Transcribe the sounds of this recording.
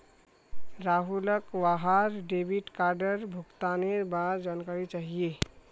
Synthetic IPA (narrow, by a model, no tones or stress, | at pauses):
ɾaɦuləkwaɦaɾɖebʱiʈkaɾɖəɾbʱukt̪aneɾbad͡ʒankaɾit͡ʃaɦije